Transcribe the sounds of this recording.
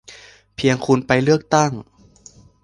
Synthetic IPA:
pʰi˧əŋkʰu˧npa˧jlɯ˥˩ək̚t̪a˥˩ŋ

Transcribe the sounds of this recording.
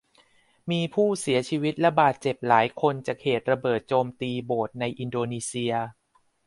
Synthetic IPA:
miː˧pʰuː˥˩si˩˦ɐt͡ɕʰiː˧wi˦˥t̪̚lɛ˧˦˥baː˨˩t̪̚t͡ɕe˨˩p̚laː˩˦jkʰo˧nt͡ɕaː˨˩k̚heː˨˩t̪̚ɾa˧bɤː˨˩t̪̚t͡ɕoː˧mt̪iː˧boː˨˩t̪̚na˧jʔi˧ndoː˧niː˧si˧ɐ

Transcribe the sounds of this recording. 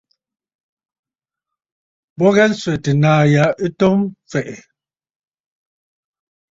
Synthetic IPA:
bɔ˦ɣɛ˦n̩˦swɛ˨te˨naː˨ja˨˦ʔi˦to˦mfɛ˨ʔɛ˨

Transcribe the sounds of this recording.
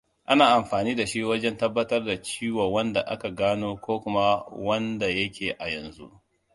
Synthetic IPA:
ʔa˦naː˨ʔa˨mɸaː˨niː˦da˨ʃi˦wɐ˦d͡ʒɛ˦ntɐ˦bːɐ˦tɐ˦rda˨t͡ʃiː˦wɐ˨wɐ˦nda˨ʔa̰˦ka˨ɡaː˦noː˦kʷoː˦kʷʊ˦ma˦wɐ˦nda˨jɐ˦kʲʰeː˨ʔa˨jɐ˨nzṵ˦ʔ

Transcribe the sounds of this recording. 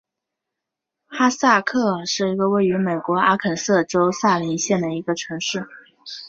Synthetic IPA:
xa˥sa˥˧kʰɤ˥˧ʂɻ̩˥˩i˧˥ɡə˧we˥˩ɪy˧˥me˨˩ɪkwɔ˧˥a˥kʰə˨˩nsɤ˥˩ʈ͡ʂo˥ʊsa˥˩li˧˥nɕjɛ˥˩nd̪ə˩i˧˥ɡə˧ʈ͡ʂʰɤ˧˥ŋʂɻ̩˥˩

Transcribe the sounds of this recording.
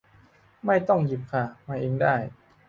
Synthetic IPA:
ma˥˩jt̪ɔ˥˩ŋji˨˩p̚kʰa˥˩maː˧ʔeː˧ŋdaː˥˩j

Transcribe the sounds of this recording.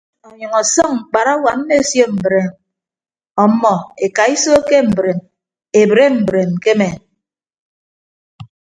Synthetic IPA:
o˨ɲʌ˨ŋɔ˨sɔ˦ŋ̩˨k͡pa˨ɾa˦wa˨m̩˦me˦˨sjo˦m̩˨bɾe˨m | ɔ˨˦mːɔ˨e˨ka˨i˦so˦ke˦m̩˨bɾe˨m | e˨bɾe˦m̩˨bɾe˨m˨ke˦me˨n

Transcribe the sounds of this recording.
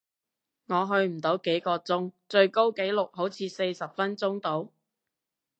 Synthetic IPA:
ŋɔː˨˧ɦɵ˧ɥm̩˨˩t̪o˨˥wke˨˥jkɔː˧t͡sʊ˥ŋt͡sɵ˧ɥko˥wke˨˥jlʊ˨k̚hɦo˨˥wt͡sʰiː˨˧se˧jsɐ˨p̚fɐ˥nt͡sʊ˥ŋt̪o˨˥w

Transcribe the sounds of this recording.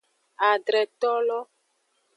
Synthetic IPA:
a˨ɖɾɛ˨t̪ɔ˦lɔ˦

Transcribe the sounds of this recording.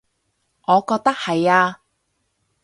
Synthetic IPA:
ŋɔː˨˧kɔː˧k̚t̪ɐ˥k̚hɐ˨jaː˧

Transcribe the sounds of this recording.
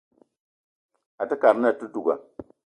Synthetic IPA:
a˨tə˦ka˨m˦na˦˨tu˦tu˨ɡa̰˨

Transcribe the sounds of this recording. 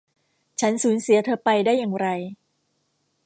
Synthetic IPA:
t͡ɕʰa˦˥nsuː˩˦nsi˨˩˦t̪ʰɤː˧pa˧jdaː˥˩jːaː˨˩ŋɾa˧j

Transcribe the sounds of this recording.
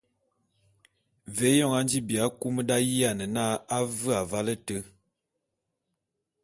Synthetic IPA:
ve˨˦jɔ˦˨ŋa˦n˦d͡ʒi˦bi˨a˦ku˦mə˦da˦ji˦a˨nə˨na˦a˦və˦a˨va˦lə˦tə˦

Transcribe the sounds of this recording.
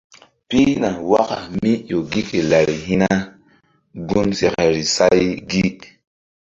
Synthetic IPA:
pi˦na˨wa˦ka̰˨mi˦jo˨ɡi˦ke˨la˨ɾi˨ɦi˦na˦ | ɡu˦nse˨ka˨ɾi˨sa˦jɡi˦

